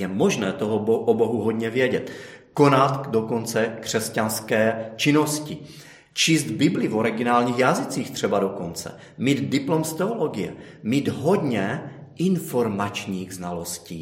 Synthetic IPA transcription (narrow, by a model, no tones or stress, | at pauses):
jɛmo̞ʒnɛːt̪o̞ɦoboʔobo̞ɦuɦo̞dɲɛvjɛɟɛt̪ko̞nat̪do̞ko̞nt͡sɛkr̝̥ɛscanskɛːt͡ʃɪno̞scɪ | t͡ʃiːsd̪bɪblɪvo̞ɾɪɡɪnaːlɲiːxjazɪt͡siːxt̪r̝̥ɛbado̞ko̞nt͡sɛ̰ | miːd̪dɪplo̞mst̪ɛolo̞ɡɪjɛ̰ | miːd̪ɦo̞dɲɛʔɪnfo̞ɾmat͡ʃɲiːɣznalo̞sciː